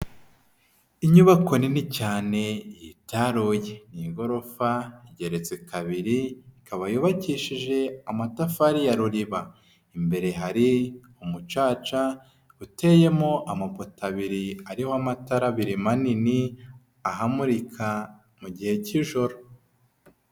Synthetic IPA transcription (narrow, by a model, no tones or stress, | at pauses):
iɲuβako̞ninicaːne̞jitaɾuːjeniɡo̞ɾo̞faiɟe̞ɾe̞t͡sekaβiɾiikʰaβajuβaciʃiʒe̞amatafaɾijaɾuɾiβa | imbe̞ɾe̞ɦaɾi | umut͡ʃaːt͡ʃa | ute̞je̞mo̞ʔamapotaβiɾiaɾihoamataɾaβiɾimanini | aɦamuɾikʰa | muɟihe̞ciʒo̞ɾo